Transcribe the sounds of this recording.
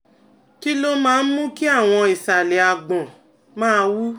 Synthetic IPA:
ki˦lo˦mãː˦˧n̩˦mũ˦ki˦a˦˨w̃ɔ̃˧i˨sa˨le˨a˨ɡ͡bɔ̃˨ | mãː˦˧wu˦

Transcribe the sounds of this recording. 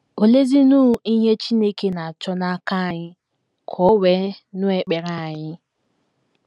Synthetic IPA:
o˨le˦zi˦nu˦ɦi˦ɦe˦t͡ʃi˦ne˦ke˦na˨a˨t͡ʃɔ˦na˦ka˦˨ɲɪ˦ | kʰɔ˨˦we˦nʊ˦e˨k͡pe˨ɾa˨ɲɪ˦

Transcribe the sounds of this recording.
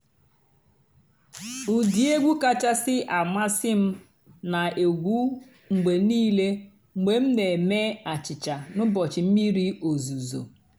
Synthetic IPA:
u˨di˨e˦ɡʷu˦ka˦t͡ʃa˦sɪ˦ʔa˨ma˦sɪ˦m̩˦ | na˨e˨ɡʷu˦ | ŋ̩˨ɡ͡be˨niː˦le˦ | ŋ͡m̩˨ɡ͡be˨m̩˦ne˨me˦a˨t͡ʃɪ˨t͡ʃa˨nʊ˦bɔ˨t͡ʃɪ˨m̩˦mi˦ɾi˦o˨zu˨zo̰˨

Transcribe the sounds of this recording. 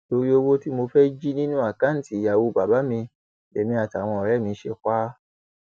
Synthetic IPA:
to˧ɾi˦o˧wo˦ti˦mo˧fɛ˦d͡ʒi˦nĩ˦nũ˦a˦˨kã˦n̩˦˨ti˨ja˨wo˧˦ba˨ba˨˦mĩ˧ | e˨mĩ˧a˨ta˨w̃ɔ̃˧ɔ˨ɾɛ˦˨mĩ˧˦ʃe˧kʷa˦

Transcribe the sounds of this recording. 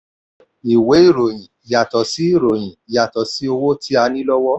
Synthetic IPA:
i˨we˨˦i˦˨ɾo˨j̃ĩ˨i˨ja˨tɔ˨si˨˦i˦˨ɾo˨j̃ĩ˨i˨ja˨tɔ˨si˨˦o˧wo˦tʰi˦a˧nĩ˦lɔ˦wɔ˦

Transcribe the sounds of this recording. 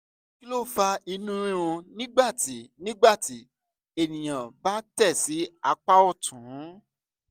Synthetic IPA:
ki˦lo˦˨fa˧i˧nũ˦ɾĩ˦ɾ̃ũ˧nĩ˦ɡ͡ba˦˨ti˨˦nĩ˦ɡ͡ba˦˨ti˨˦ | e˦˨nĩ˨j̃ã˨ba˦tɛ˦˨si˨˦a˧k͡pa˦ɔ˦˨tʰũ˨˦

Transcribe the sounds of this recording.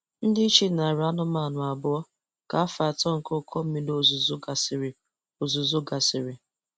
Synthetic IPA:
n̩˦dɪ˦t͡ʃi˦na˨ɾa˦nʊ˦ma˨nʊ˨a˨bʊ˦ɔ˦ | ka˨a˦fa˨tɔ˦ŋ̩˨ko˦kʰɔ˦m̩˦mi˦do˦˨zu˨zʊ˦ɡa˨sɾ | o˨zu˨zʊ˦ɡa˨sɪ˨ɾɪ˨

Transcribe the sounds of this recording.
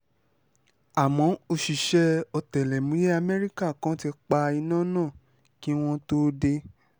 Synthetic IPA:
a˨mɔ̃˨˦o˧ʃi˨ʃɛ˧ɔ˧tɛ˨lɛ˨mũ˨˦je˦a˧mɛ˦ɾi˦ka˦˨kã˦ti˧k͡pa˧i˧nãː˦nãː˦˨ | ki˦w̃ɔ̃˦to˦de˧

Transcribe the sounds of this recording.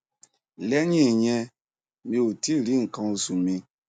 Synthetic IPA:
lɛ˦ɲĩ˦˨ɲɛ̃˧ | mĩ˧o˨ti˦˨ɾi˨˦ŋ̩˨kã˧o˧su˨mĩ˧

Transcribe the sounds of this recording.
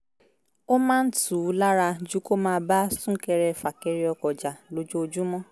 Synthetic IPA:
o˦mãː˦n̩˦tu˨˦˨la˦ɾa˧d͡ʒu˦ko˦mãː˦˧˦ba˦sũ˦kɛ˧ɾɛ˧˨fa˨kɛ˧ɾi˧˦ɔ˧kɔ˨d͡ʒa˨lo˧d͡ʒo˦o˧d͡ʒu˦mɔ̃˦

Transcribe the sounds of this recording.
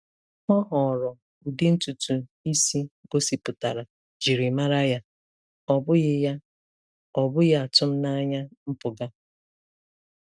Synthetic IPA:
mɔ˦ɦɔ˨ɾɔ˨ | u˨dɪ˦n̩˦tu˨tu˨i˦si˦ɡo˦si˨pʊ˨ta̰˨ɾa˨ | d͡ʒi˨ɾi˨ma˦ɾa˦ja˦ | ɔ˨bʊ˦ɣɪ˦ja˦ | ɔ˨bʊ˦ɣa˦a˨tʊ˦m̩˦na˦ɲa˦m̩˦pʊ˨ɡa˦

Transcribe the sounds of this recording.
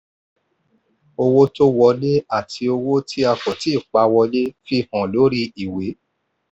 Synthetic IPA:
o˧wo˦to˦wɔ˧le˦a˦˨tʰi˧o˧wo˦tʰi˦a˧fɔ˨ti˨˦i˦˨k͡pa˧˦wɔ˧le˦fi˦hɔ̃˨lo˨˦ɾi˦i˨we˨˦

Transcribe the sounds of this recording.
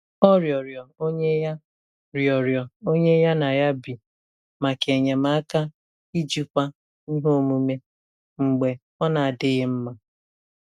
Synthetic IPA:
ɔ˦ɾjɔ˨ɾjɔ˨o˦ɲe˦ja˦ | ɾjɔ˨ɾjɔ˨o˦ɲe˦ja˦na˨ja˦bi˨ | ma˨ke˨ɲe˨ma˨a˦ka˦ | i˦d͡ʒi˦kʷa˦ | ni˦ɦo˦˨mu˦me˦ | ŋ͡m̩˨ɡ͡be˨ | ɔ˦na˨a˨dɪ˦ɣɪ˦m̩˦ma˦

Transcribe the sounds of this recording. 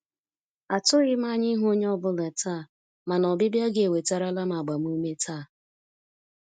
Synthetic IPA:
a˨tʊ˦ɣɪ˦ma˦ɲɪ˦ɦʊ˦o˦ɲ˦ɔ˦bʊ˦lɛ˨ta˦˨ | ma˨nɔ˨bɪ˦bja˦ɡe˨we˨ta˦ɾa˦la˦ma˨ɡ͡ba˨m˦u˦me˦tʰa˦˨

